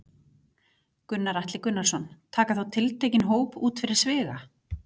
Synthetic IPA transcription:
kʏnːaɾaht̪lɪkʏnːalsɔnt̪ʰaːkaθawt̪ʰɪlt̪ʰeːjcɪnɦoːwpuːt̪fɪɾɪɾ̥svɪːɣa

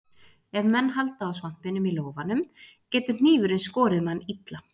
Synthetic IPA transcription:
ɛvmɛnːɦal̪t̪aːwsvan̥pɪnʏmiloːwvanʏmcɛːt̪ʏ̥n̥iːvʏɾɪnskɔːɾɪðmanːit̪la

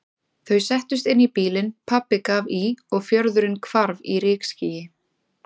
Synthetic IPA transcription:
θœɥsɛht̪ʏst̪ɪnːipiːlɪnpʰapɪkaviɔɣfjœɾðʏɾɪnkʰvaɾviɾɪːksciːjɪ

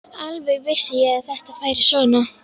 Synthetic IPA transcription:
alvɛɣvɪsːɪjɛɣaθɛht̪afaːjɾɪsvɔːna

